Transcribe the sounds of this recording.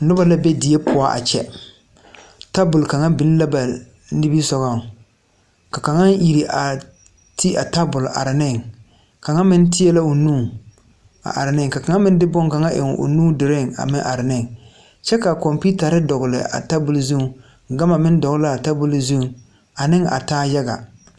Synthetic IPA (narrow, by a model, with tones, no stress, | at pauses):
nʊ˦ba˦la˦bɛ˦dɪ˨e˦pʰʊ˨a˦ʔa̰˨t͡ʃɛ̰˦ | ta˦bʊ˨lka˨ŋa˦bɪ˨n˦la˦ba˨ | nɪ˦bi˦sɔ˨ɣa˦˨ | ka˨ka˨ŋa˦ŋji˨ɾi˨ʔa˨ | tʰi˦ʔa˨ta˦bʊ˨lʔa̰˨ɾɪ˨nɪ˦˨ŋ | ka˨ŋa˦mɪ˦n˦tɪ˦ɛ˦la˦o˨nũː˦˨ | a̰˨ʔa̰˨ɾɪ˨nɪ˦ŋ˨ka˨ka˨ŋa˦mɪ˦n˦dɪ˦bɔ˦ŋ˨ka˨ŋa˦ʔɪ̰˨ŋ˨o̰˨nuː˦dɪ˨ɾɪ˦˨ŋa̰˨mɪ˦ʔa˨ɾɪ˨nɪ˦˨ŋ | t͡ʃɛ˦ka˨kɔ˨mpi˦ta˨ɾɪ˦dɔ˨ɡʊ˨lɪ̰˨a̰˨ta˦bʊ˨lzu˦˨˦ | ɡa˦ma˨mɪ˦n˦dɔ˨ɣʊ˦la˦a˨ta˦bʊ˦lzu˦˨ | a˨nɪ˦ŋa̰˨taː˦ja˦ɡa̰˨